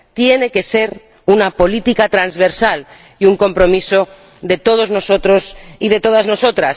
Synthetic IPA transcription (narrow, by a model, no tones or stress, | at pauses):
t̪je̞ne̞ke̞se̞ɾ | unapo̞lit̪ikat̪ɾanzβe̞ɾsal | iuŋko̞mpɾo̞miso̞ | d̪e̞t̪o̞ð̞o̞zno̞so̞t̪ɾosiðe̞t̪o̞ð̞azno̞so̞t̪ɾas